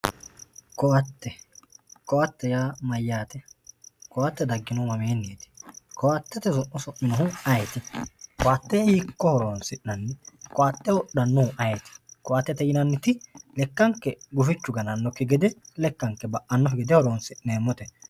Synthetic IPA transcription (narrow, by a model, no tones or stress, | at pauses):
kɔwɐt̪ːɛkɔwɐt̪ːɛjaːmɐjːaːt̪ɛkɔwɐt̪ːɛd̪ɐɡːɪnɔmɐmeːnːiːt̪ɪ̥kɔwɐt̪ːɛt̪ɛsɔʔɔsɔʔːɪnɔhʊɐjɛt̪ɪkɔwɐt̪ːɛhiːkːɔhɔɾoːnsɪʔːɐnːɪkɔʔɐt̪ːɛwɔɗɐnːɔhʊʔɐjɛt̪ɪ̥kɔʔɐt̪ːɛt̪ɛjɪnɐnːɪt̪ɪlɛkːɐŋkːɛɡʊfɪt͡ʃːʊɡɐnɐnːɔkːɪɡɛd̪ɛlɛkːɐŋkːɛbɐʔɐnːɔɦɡɛd̪ɛhɔɾoːnsɪʔneːmːɔt̪ɛ